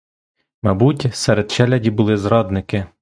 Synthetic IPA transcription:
mɐbutʲsɛɾed̪t͡ʃɛlʲɐdʲibʊlˠɪzɾɑd̪nɪkɪ

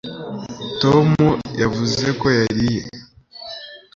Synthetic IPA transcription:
to̞mujavuze̞ko̞jaɾije

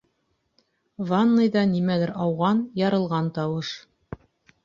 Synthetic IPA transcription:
vanːɤjd̪ɑnimælɘɾɑwʁɑnjɑɾɤ̆lˠʁɑnt̪ɑwɤʃ

